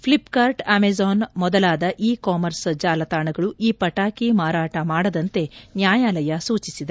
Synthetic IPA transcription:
pʰlipkaːɾʈaːmezaːnmɔd̪ɐlaːd̪ɐʔiːkaːmɐɾsd͡ʒaːlɐt̪aːɳɐɡɐɭuiːpɐʈaːkimaːɾaːʈɐmaːɽɐd̪ɐnt̪e̞njaːjaːlɐjɐsuːt͡ʃisid̪e

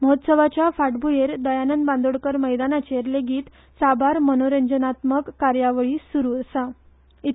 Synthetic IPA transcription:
məɦot̪səʋat͡ɕjafaʈbujeɾd̪əjanənbãnd̪oɽkəɾməjd̪anat͡ɕeɾleɡiːt̪ | sabʱaɾmənoɾəɲd͡ʑənat̪məkːaɾjaʋəɭiːsuɾuəsa | i

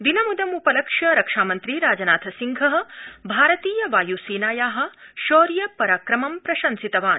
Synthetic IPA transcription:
d̪inɐmud̪ɐmupɐlɐkʂɐɾɐkʂaːmɐnt̪ɾiɾaːd͡ʒɐnaːt̪ʰɐsiŋɡʱɐɦɐ̆bʱaːɾɐt̪iːjɐʋaːjusiːnaːjaːɦɐ̆ʃoːɾjɐpɐɾaːkɾɐmɐmpɾɐʃɐnsit̪ɐʋaːn

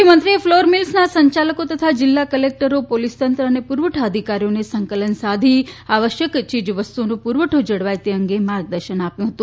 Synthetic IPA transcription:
imənt̪ɾiefloɾmilsnasəɲt͡ʃaləkot̪ət̪ʰad͡ʒɪlːakəlek̚ʈəɾopolist̪ənt̪ɾəːnepuɾʋəʈʰaəd̪ʱikaɾijonesə̃ŋkələnsad̪ʱiaʋəʃjəkt͡ʃid͡ʒʋəst̪uonopuɾʋəʈʰod͡ʒəɽʋajt̪eəŋɡemaɾɡ̚d̪əɾʃənapjũɦət̪ũ

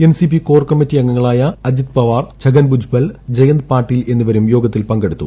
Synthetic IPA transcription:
ensipikoːrkɐmːitːiɐŋːɐŋːɐɭaːjɐɐd͡ʑit̪̚pɐʋaːrt͡ɕʰɐɡɐnbud͡ʑʱbɐld͡ʑɐjɐnd̪̚paːʈːile̞nːuʋɐɾumjo̞ːɡɐt̪ːilpɐŋɡeɽut̪ːu

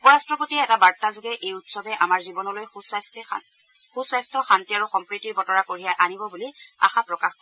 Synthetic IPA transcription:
upɔɹastɹɔpotiɛɛtabaɹtazoɡɛʔejutsɔbɛʔamaɹzibɔnɔlojusst | xuswajstʰɔxantiaɹuxɔmpɹitiɹbɔtɔɹakoɹijaʔanibɔbulia̰xapɹɔkaxk

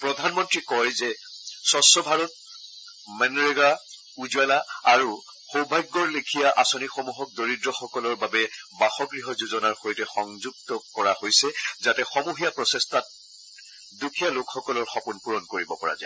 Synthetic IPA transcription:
pɹɔdʱanmɔntɹikɔjzɛsɔsɔbʱaɹɔt̚ | mɛnɹeɡa | uzualaaɹu | xowbʱajɡːɔɹlekʰijaʔasɔnixomuɦɔk̚doɹidɹɔxɔkɔlɔɹbabɛbaxɔkɹiɦɔzuzɔnaɹxojtɛxɔŋzuɡ̚tɔkɔɹahojsɛzatɛxɔmuɦijapɹɔsestʰat̚ | dukʰijalokxɔkɔlɔɹxɔpunpuɹɔnkoɹibɔpɔɹa̰za

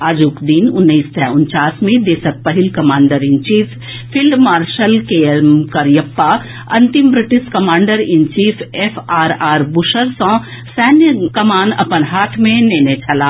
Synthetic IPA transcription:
aːd͡ʒuːkd̪iːnʊnːiːst̪ʰɛːʊnt͡ʃaːsmẽd̪eːsək̚pɐɦɪlkɐmaːɳɖəɾɪ̃nt͡ʃiːfʰ | pʰːɪlɖmaːɾʃəlkemkəɾjɐpːa | ɐ̃nt̪imbɾɪʈɪskɐmaːɳɖəɾɪnt͡ʃiːfʰefʰaːɾaːɾbuʃəɾsɔ̃ | sɛːnjəkɐmaːnɐ̰pənɦaːʈʰmẽneːnet͡ʃʰɐlaː

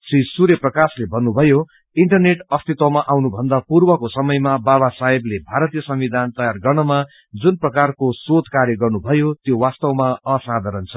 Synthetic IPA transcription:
sisuɾjʌprʌkaslebʱʌnːubʱʌjo | iɳʈʌrneʈʌst̪ʰit̪wʌmaʔawnubʱʌnd̪apurbʌkosʌmʌjmabaβasaɦiblebʱaɾʌt̪ijʌsʌmwid̪ʱant̪ʌjarɡʌrnʌma | d͡zunprʌkarkosod̪ʱkaɾjʌɡʌrnubʱʌjot̪jowast̪ʌwmaʌsad̪ʱaɾʌnt͡sʰʌ

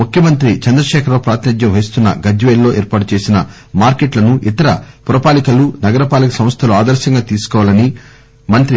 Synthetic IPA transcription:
mukjɐmɐnt̪̬ɾit͡ʃɐnd̪ɾɐʃɛːkʰɐɾʋoːpɾaːt̪nɐd̪jɐmʋɐjist̪unːɐ̰ɡɐd͡ʒʋeːlːo̞ːʔeːɾpaːʈut͡ʃe̞ːsinɐ | maːɾkeʈlɐnuʔit̪ɐɾɐpuɾɐpaːlikɐlunɐɡɐɾɐpaːlɐkɐsɐ̃m̃st̪ʰɐluaːd̪ɐɾʃɐŋɡaːt̪iːsu̥kɔːʋaːlɐni | mɐnt̪ɾi

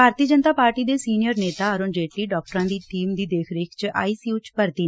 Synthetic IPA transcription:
bʱaːɾt̪iəd͡ʒənt̪aːpaːɾʈiːd̪eːsiːnijəɾneːt̪aːəɾoːnd͡ʒeːʈliːɖɔːk̚ʈɾãːd̪iːʈʰiːmd̪iːd̪eːkʰɾɪkʰt͡ʃʔa̰ːiːsiut͡ʃpəɾt̪iː

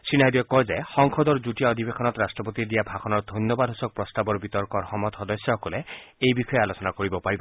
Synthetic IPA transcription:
sinajd̪iɔkːɔd͡ʒaxɔŋkʰɔd̪ɔɾd͡ʒuʈiaɔd̪ʱibekʰɔnɔt̪ɾasʈɾɔpot̪id̪iabʱakʰɔnɔɾd̪ʱɔnjɔbad̪ʱɦusɔk̚pɾɔst̪abɔɾbit̪ɔɾkɔɾhɔmɔt̪ɔd̪ɔsjɔɦɔkɔleejbikʰɔjealot͡ʃɔnakɔɾibɔpaɾibɔ

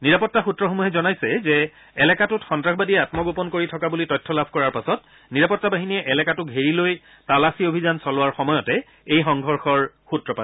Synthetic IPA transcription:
niɹapɔtːaxutːɹɔxomuɦɛzɔnajsɛzɛ | ɛlɛkatʊtxɔntɹaxbadiɛatmɔɡopɔnkoɹitʰɔkabulitɔjtʰːɔlabʱkɔɹaɹpasɔt | niɹapɔtːabaɦiniɛʔɛlɛkatʊkɦeɹiloj | talasiobʱizansɔlʊwaɹxɔmɔjɔtɛ | ejxɔŋɡʱɔɹxɔɹ | xutɹɔpa

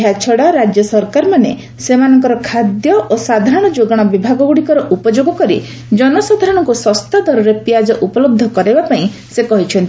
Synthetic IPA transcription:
at͡ʃʰɔɽaɾad͡ʒjɔsɔɾkaɾɔmane | semanɔŋkɔɾɔkʰad̪jɔʔosad̪ʱaɾɔɽ̃ɔd͡ʒoɡɔɽ̃ɔbibʱaɡɔɡuɽikɔɾɔʔupɔd͡ʒoɡɔkɔɾḭ | d͡ʒɔnɔsad̪ʱaɾɔɽ̃ɔŋkusɔst̪ad̪ʱɔɾɔɾepijad͡ʒɔʔupɔlob̚d̪ʱːɔkɔɾebapaĩ | sekɔɦit͡ʃʰɔnt̪i

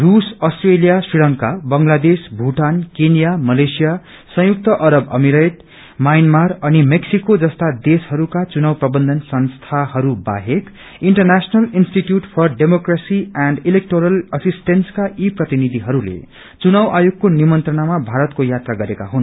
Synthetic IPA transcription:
rusʌsʈrelijasriɭʌŋkabʌŋlad̪esbʱuʈankenjamʌlesija | sʌ̃juk̚t̪ʌʔʌɾʌbʌmiɾajʈ | majnmarʌnimeksikod͡zʌst̪ad̪eshʌɾukat͡sunawprʌbʌnd̪ʱʌnsʌnst̪ʰahʌɾuba̰ɦek | iɳʈʌrnasʌnʌlinsʈiʈjuʈpʰʌrɖemokrasiaɳɖilek̚ʈoɾʌlʌsisʈenskaʔiprʌt̪inid̪ʱiɦʌɾulḛ | t͡sunawʔajoɡ̚konimʌnt̪rʌnamabʱaɾʌt̪kojat̪raɡʌɾeka̰ɦun

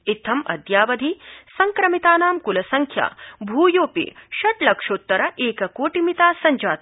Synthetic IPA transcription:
it̪ʰːɐmɐ̰d̪jaːʋɐd̪ʱisɐŋkɾɐmit̪aːnaːmkulɐsɐŋkʰja̰ːbʱuːjoːpḭʃɐʈlɐkʂoːt̪ːɐɾɐʔeːkɐkoːʈimit̪aːsɐɲd͡ʒaːt̪

